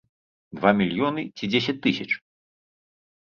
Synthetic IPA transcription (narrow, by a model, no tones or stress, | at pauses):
d̪vamʲilʲjɔnɨt͡sʲid͡zʲesʲɐt͡sʲt̪ɨsʲɐt͡ʂ